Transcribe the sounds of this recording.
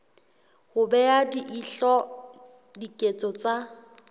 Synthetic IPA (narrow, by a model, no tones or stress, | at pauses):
hʊbɛjadiʔiɬɔ | dikʼet͡sʼɔt͡sʼa